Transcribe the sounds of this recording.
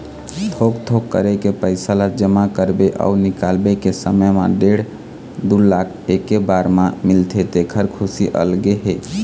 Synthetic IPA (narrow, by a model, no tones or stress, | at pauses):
t̪ʰokt̪ʰokːə̰ɾekepəɪsalad͡ʒəmakəɾbeʔa̰unikalbekesəməma̰ɖeɽ | d̪ulakʰekebaɾmamilt̪ʰet̪ekʰəɾkʰusiʔə̰lɡeɦe